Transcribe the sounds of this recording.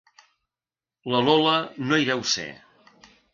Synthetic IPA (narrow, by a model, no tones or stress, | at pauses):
ləlɔlənoiɾɛwsḛ